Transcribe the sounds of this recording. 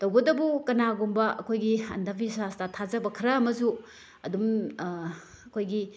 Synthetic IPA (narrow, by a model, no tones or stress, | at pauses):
tɐwbɐdɐbukɐnaɡumbɐɐkʰojɡiɐ̰ndabʰisastatʰazɐbɐkʰɐɾɐɐmɐzu | ɐdum | ɐkʰojɡi